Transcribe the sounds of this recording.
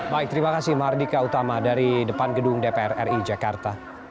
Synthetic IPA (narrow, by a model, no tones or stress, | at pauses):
baɪk̚t̪əɾimakasɪhmardikaut̪amadaɾidəpanɡəduŋdepeɛrɛrid͡ʒakart̪a